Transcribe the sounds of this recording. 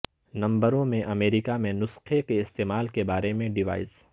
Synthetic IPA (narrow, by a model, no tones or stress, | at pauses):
nɐ̃mbəɾõmẽʔɐmeːɾikamẽnʊsxekeɪst̪eːmaːlkebaːɾemẽɖɪʋa̰ːɪz